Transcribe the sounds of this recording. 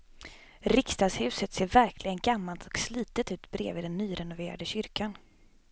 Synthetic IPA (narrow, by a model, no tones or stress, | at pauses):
ɾɪkst̪ɑːd̪shʉ̟ːsət̪seːɾvæɾkʰlɪɡənɡamːalt̪ʰɔksliːt̪ət̪ʉ̟ːt̪bɾḛːvɪd̪ɛnːyːɾɛnʊveːɾa̰d̪əɕʏɾkʰan